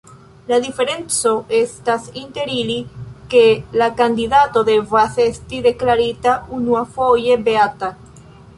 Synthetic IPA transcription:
laðife̞ɾent͡soʔest̪asint̪e̞ɾilikelakand̪iðat̪oðevaθest̪iðe̞klaɾit̪aunuafoʝebeat̪a

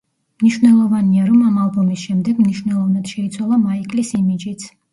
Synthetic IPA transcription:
mniʃwnɛlˠɔvaniaɾɔmamalˠbɔmisʃɛmd̪ɛɡ̥mniʃwnɛlˠɔvnad̪̥ʃɛit̪sʰwalˠamaikʼlisimid͡ʒit̪sʰ

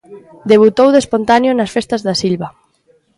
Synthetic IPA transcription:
d̪eβ̞ut̪owðespont̪anjonɐsfest̪ɐzðɐsilβɐ

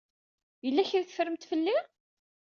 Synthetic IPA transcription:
jəlːæçiɾθə̥fəɾəmt̪fəlːi

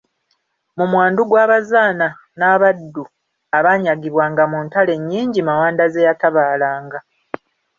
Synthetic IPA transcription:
mumwaːnduɡwaːβazaːna | naβadːu | aβaːɲaɡiβwaːŋɡamuːntale̞ɲːiːɲɟimawaːndazejataβaːlaːŋɡa

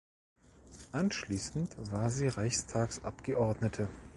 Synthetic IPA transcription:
ʔanʃliːsn̩tv̥aːɐziːʁaɪçstʰaːksʔa̰pɡ̥əʔɔɐdnətʰə

